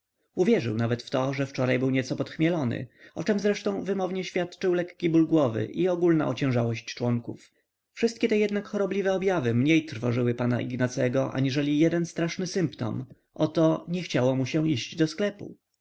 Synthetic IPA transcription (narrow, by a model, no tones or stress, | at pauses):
uvʲjɛʐɘ̰wnavɛt̪ft̪ɔʐɛft͡ʂɔɾajbɘwɲɛt̪sɔpɔt̪xmʲjɛlɔnɘ̰ɔt͡ʂɛmzɾɛʂt̪ɔ̃w̃vɘmɔvɲɛɕfʲjat̪t͡ʂɘwlɛkːʲibulɡwɔvɘ̰ʔiɔɡulna̰ʔɔt͡ɕɛ̃w̃ʐawɔɕt͡ɕt͡ʂwɔŋkṵf | fʂɘst̪̚kʲɛt̪ɛjɛd̪nakxɔɾɔblʲivɛɔbʲjavɘmɲejt̪ɾfɔʐɘwɘpana̰ʔḭɡnat̪sɛɡɔʔa̰ɲiʐɛlʲijɛd̪ɛnst̪ɾaʂnɘsɘmpt̪ɔ̰m | ʔɔt̪ɔɲɛxt͡ɕawɔmuɕɛ̃iʑd͡ʑd̪ɔsklɛpṵ